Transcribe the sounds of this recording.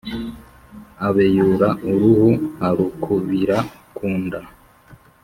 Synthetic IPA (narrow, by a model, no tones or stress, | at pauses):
aβejuɾaʔuɾuhuhaɾukʰuβiɾa | kʰuːnda